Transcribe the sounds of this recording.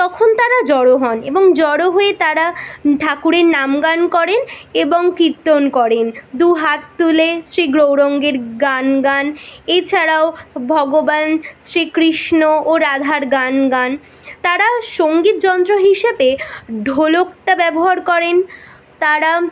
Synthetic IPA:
t̪ɔkʰont̪aɾad͡ʑɔɽoɦɔnḛboŋd͡ʑɔɽoɦoet̪aɾaɖʱakuɾeɾnamɡankɔɾeneboŋkiɾt̪onkɔɾend̪uɦat̪ːulesɾiɡɾowɾoŋɡeɾɡanɡanet͡ɕʰaɾaobʱɔɡobansɾikɾiʃnooɾad̪ʱaɾɡanɡan | t̪aɾaʃoŋɡit̪̚d͡ʑɔnt̪ɾoɦiʃebeɖʱolok̚ʈabɛboɦaɾkɔɾen | t̪aɾa

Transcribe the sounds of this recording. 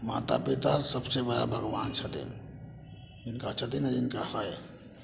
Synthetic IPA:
ma̰ːt̪a̰pit̪asɐbsebɐɽa̰bʱɐɣʋaːnt͡ʃʰɐt̪ḭn | ɪnkat͡ʃʰɐt̪inɐɾɪnkaxaj

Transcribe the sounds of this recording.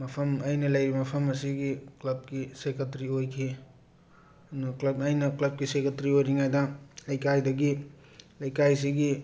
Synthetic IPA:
mɐpʰɐmɐjnɐlɐjɾimɐpʰɐmɐsiɡiklɐb̚kisekɐtɾiojkʰi | nuklɐbajnɐklɐb̚kisekɐtɾiojɾiŋajdɐɐjkajdɐɡi | lɐjkajs̬iɡi

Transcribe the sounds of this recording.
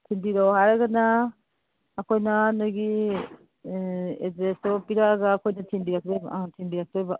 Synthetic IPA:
tʰinbiɾɔwhaɾaɡanaː | kʰɔjnanɔjɡi | ezesɔpiɾaɡaːkʰojnɐtʰinbiɾak̚dɔjba̰tʰinbiɾak̚dɔjba

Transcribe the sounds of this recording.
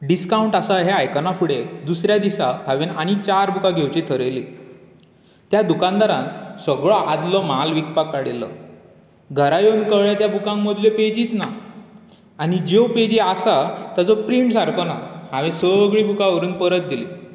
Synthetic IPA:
ɖiskauɳʈasaɦeajkənafuɽed̪usɾjad̪isaɦaʋenaɽ̃it͡ɕaɾbukaɡʱewt͡ɕit̪ʰəɾəjli | t̪jad̪ukãnd̪aɾãnsəɡɭɔʔad̪lɔmalʋik̚pakːaɽilɔ̰ | ɡʱəɾajond̪kəʋɭjat̪jabukãŋməd̪ljeped͡ʑiːt͡sna | aɽid͡ʑewped͡ʑiasat̪jad͡zɔpɾiɳʈsaɾkɔnahaʋẽsəɡɭiːbukaɔɾuːnpəɾət̪̚d̪ilḭː

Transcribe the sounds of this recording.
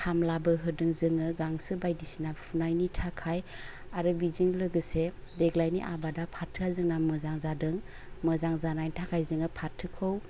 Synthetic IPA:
kʰamlabɯɦɯdɯŋzɯŋɯɡaŋsɯbajdisinapʰunajnitʰakʰajaɾɯbizɯŋlɯɡɯsedeɡlajnḭʔabadapʰatʰɯazɯŋnamɯzaŋzadɯŋ | mɯzaŋzanajntʰakʰajzɯŋɯpʰatʰːɯkʰɯw

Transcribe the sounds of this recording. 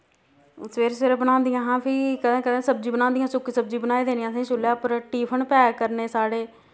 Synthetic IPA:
ʊsʋeːɾseːɾbənãːnd̪ɪjãːɦãːpʰɪɾkəd̪ẽːkəd̪ẽːsəb̚d͡ʒĩːbənãːnd̪ijãːsʊkːisəb̚d͡ʒiːbənaːiːd̪eːniãːsãːʃʊljaːpəɾʈiːpʰənpɛːkəɾneːsaːɽeː

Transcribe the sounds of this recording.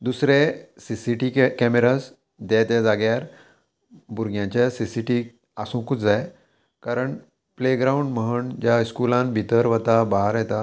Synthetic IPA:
d̪usɾesisiʈikɛmeɾas | d̪jat̪jad͡zaɡjaɾ | buɾɡjãɲt͡ɕjasisiʈiː | asũkut͡sd͡zaj | kaɾəɳ | pleɡɾauɳɖməɦəɳd͡ʑjaskulãnbʱit̪əɾʋət̪abaɦɾjɛt̪a

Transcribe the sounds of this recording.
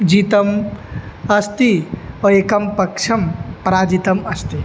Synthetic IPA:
d͡ʒit̪ɐm | ɐst̪iɔekɐmpɐkʃʰɐmpɾaːd͡ʒit̪ɐmɐst̪i

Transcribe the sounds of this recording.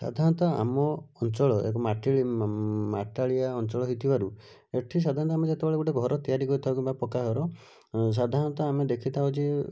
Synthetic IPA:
sa̰d̪ʱaɾɔnt̪ɔa̰mɔːnt͡ʃɔɭɔḛkɔmaʈiɭma̰ʈaɭijaɔnt͡ʃɔɭɔɦit̪ʰibaɾu | eʈʰis̬ad̪ʱaɾ̃ɔnt̪ɔamed͡ʒet̪ebeɭeɡuʈeɡʱɔɾɔt̪ijaɾikɔɾit̪ʰabkibapɔkaɦɔɾɔ | s̬ad̪ʱãnt̪ɔamed̪ekʰit̪ʰaɦod͡ʒe

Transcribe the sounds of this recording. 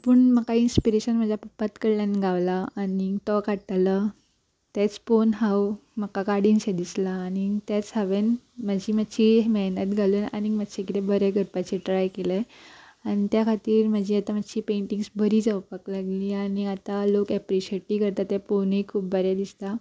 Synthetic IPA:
pəɳməkainspiɾeɕənm̤əd͡ʑʱapəpat̪kəɽlanɡʱaʋlaːnit̪ɔkaɽt̪la | t̪et͡sponɦawm̤əkakaɽinɕed̪islaːnit̪at͡shaʋen | məd͡ʑiːməɕiɦməɦnət̪ɡʱaluːna̰ñim̤ədɕekit̪ebəɾeɡʱəɾpat͡ɕeʈɾajkeleañit̪jakʰat̪iːɾm̤əd͡ʑʱiːat̪am̤aɕiːpeɳʈiŋɡsbəɾiːd͡zawpaklaɡliːañiat̪alokɛpɾiɕeʈiːkəɾt̪at̪japonekʰuːp̚bəɾjad̪ist̪a

